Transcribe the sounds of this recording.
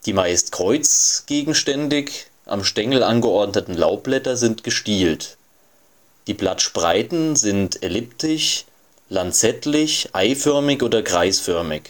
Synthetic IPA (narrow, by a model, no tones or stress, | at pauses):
d̥iːmaɪstkʁ̥ɔʏt͡sɡ̥eːɡŋ̩ʃtɛndɪç | ʔa̰mʃtɛŋl̩ʔanɡəʔɔɐdnətn̩la̰ʊp̚b̥lɛtɐzɪntɡ̥əʃtiːlt | d̥iːblatʃpʁa̰ɪtn̩zɪntelɪptɪç | lant͡sɛtlɪçʔaɪfœɐmɪçʔoːdɐɡʁaɪsfœɐmɪk